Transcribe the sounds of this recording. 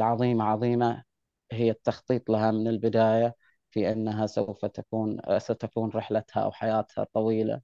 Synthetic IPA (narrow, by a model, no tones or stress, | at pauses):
ʔlʕɑðˤiːmaʕɑðˤiːma | ɦɪjːat̪ːɑxt̪ˤiːt̪ˤlaɦamɪnɪlbɪd̪aːja | fiʔanːaɦasawfat̪akuːnsat̪akuːnɾɪħlat̪ha̰ʔa̰wħajaːt̪ha̰t̪ˤːɑwiːla̰